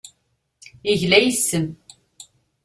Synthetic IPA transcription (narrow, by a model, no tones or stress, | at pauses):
iʝlæjəsːəm